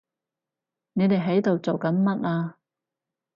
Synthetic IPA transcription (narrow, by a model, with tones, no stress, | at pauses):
ne˨˧jt̪e˨jɦɐ˨˥jt̪o˨wt͡so˨wkɐ˨˥nmɐ˥t̚aː˧